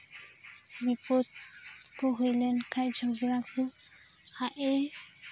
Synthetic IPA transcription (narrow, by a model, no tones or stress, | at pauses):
ɾipot̪̚koɦojlɛnkʰajd͡ʒʱɔɡɾaku | haʔe